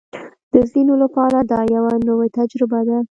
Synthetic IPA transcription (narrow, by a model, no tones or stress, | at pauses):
d̪̥əzinolapɑɾad̪ɑjawanəwet̪ad͡ʒɾɪbad̪a